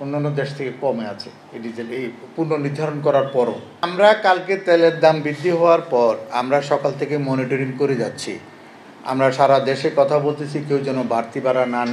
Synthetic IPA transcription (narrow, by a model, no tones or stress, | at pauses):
onːanːod̪eʃt̪ʰekekɔmeat͡ɕʰe | eʈiee | puɾnoniɾd̪ʱaɾonkɔɾaɾpɔɾo̰ | mɾakalket̪eleɾd̪ambid̪ːiɦɔoaɾpɔɾa̰mɾaʃɔkalt̪ʰekemɔniʈoɾiŋkoɾed͡ʑatːɕʰḭ | a̰mɾaʃaɾad̪eʃekɔt̪ʰabolt̪et͡ɕʰikewd͡ʑɛnobaɾt̪ibaɾanan